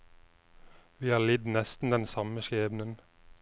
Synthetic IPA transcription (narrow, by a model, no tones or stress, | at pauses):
ʋiːhɑːlɪd̪nɛst̪n̩d̪ɛnsɑməʃeːʋn̩ən